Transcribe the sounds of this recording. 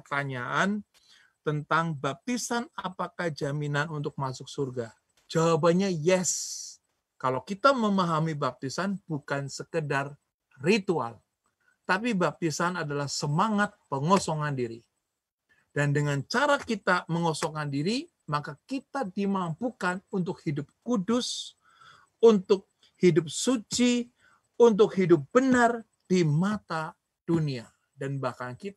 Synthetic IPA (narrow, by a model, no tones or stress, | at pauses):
ərt̪aɲaʔan | t̪ənt̪aŋbap̚t̪isanapakahd͡ʒaminanunt̪ʊk̚masʊk̚surɡa | d͡ʒawabaɲajɛs | kalawkit̪aməmaɦamibap̚t̪isanb̥ukansəkədar | rit̪ua̰l | t̪apibap̚t̪isanadalahsəmaŋat̪̚pəŋosɔŋandiɾi | d̥andəŋant͡ʃaɾakit̪aməŋɔsɔŋandiɾi | makakit̪adimampukanunt̪ʊk̚hidʊp̚kudʊs | unt̪ʊk̚ | hidʊp̚sut͡ʃi | unt̪̬ʊkhidʊp̚b̥ənar | d̥imat̪a | d̥unia | danbahkaŋki